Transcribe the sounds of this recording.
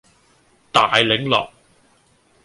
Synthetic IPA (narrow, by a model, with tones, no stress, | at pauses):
t̪aː˨jlɪ˨˥ŋlɔ̰ː˨˩k̚